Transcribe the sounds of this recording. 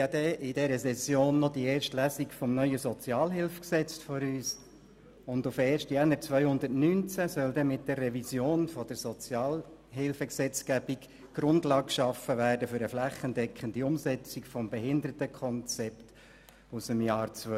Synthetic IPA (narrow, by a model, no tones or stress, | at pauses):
jɑd̪ɛʔɪdɛɾəsɛsjoːnːɔd̥ieːɾʃtlæːsikfɔmnœʏəsɔt͡siɑːlɦɪlfksɛt͡stfɔɾyːs | ʊnd̪ʊfɛːɾʃtjɛnːəɾt͡sʋœʏhʊndətnyːnt͡sæsœld̪ɛmɪt̚d̥ɛrːɛvisjoːnfɔd̥əɾsɔt͡sjɑːl | ɦɪlfəksɛt͡skæb̥ik | ɡ̥ɾʊndlɑːk̚kʃɑfəvæːɾdəfʏɾəflæχːəndɛkχəndiʊmsɛt͡sikfɔmbɛɦɪnd̪əɾətəkʰɔnt͡sɛpt | usəmjɑːɾt͡sʋœ